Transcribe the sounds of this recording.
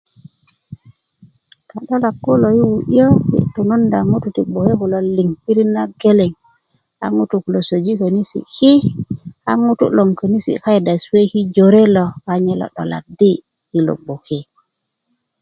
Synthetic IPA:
ta˨ɗo˦la˨kːo˦lo˨ji˦wu˨ʔə˦kḭ˦tu˨no˦nda˨ŋu˦tu˨ti˨ɡ͡bo˨ke˦ku˨lo˨li˨ŋpi˦ɾi˦na˦ɡe˦le˨ŋ | a̰˦ŋu˦tu˨ku˨lo˨so˨d͡ʒi˦kə˨ni˦sḭ˨ki˦a̰˦ŋu˦tṵ˦lo˨ŋkə˨ni˦sḭ˨ka˦i˨da˨swe˦ki˦d͡ʒo˨ɾe˦lo˨a˨ɲe˦lo̰˨ɗo̰˨la̰˨di˦ | ji˦lo̰˨ɡ͡bo˨ke˦

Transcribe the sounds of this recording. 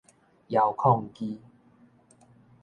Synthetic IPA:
ja˨˩wkʰɔ˥˧ŋki˦

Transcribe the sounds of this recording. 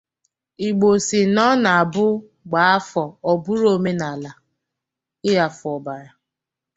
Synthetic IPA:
i˨ɡ͡bo˨si˨nɔ˦na˨a˨bʊ˦ | ɡ͡ba˨˦a˦fɔ˨ɔ˨bʊ˦ɾo˦me˦na˨la˨ | ɪ˦ja˨fʊ˨ɔ˨ba˨ɾa˨

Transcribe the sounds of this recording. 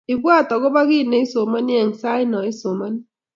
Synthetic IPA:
ɪ˨kwa˦˨tɔ˨ɣɔ˦ba˦ɣɪ˦˨ne˨˦i˦so˨ma˦ni˦ɛ˨ŋ̩˨sa˦ɪ˦nɔ˨ɪ˦so˨ma˦ni˦

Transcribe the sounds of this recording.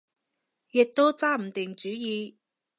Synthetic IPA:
jɪ˨k̚t̪o˥wt͡saː˥m̩˨˩t̪ɪ˨˩ŋt͡syː˨˥jiː˨˧

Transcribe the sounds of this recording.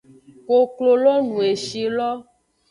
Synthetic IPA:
ko˨klo˨lɔ˦nũ˨e˨ʃi˨lɔ˦

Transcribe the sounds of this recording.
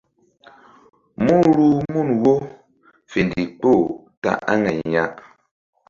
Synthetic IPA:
mu˦ɾu˦˨mu˦˨nwo˦ | fe˨ndi˨k͡po˦˨ | ta̰˨ʔa˦ŋɛ˨ɲa˦ʔ

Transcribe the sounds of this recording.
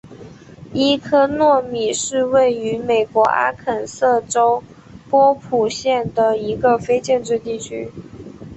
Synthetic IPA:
i˥kʰɤ˥nwɔ˥˩mi˨˩ʂɻ̩˥˧we˥˩ɪy˧˥me˨˩ɪkwɔ˧˥ʔa̰˥kʰə˨˩nsɤ˥˩ʈ͡ʂo˥ʊ | pwɔ˥pʰu˨˩ɕjɛ˥˩nd̪ə˩i˧˥ɡə˧fe˥ɪt͡ɕjɛ˥˧nʈ͡ʂɻ̩˥˧t̪i˥˩t͡ɕʰy˥

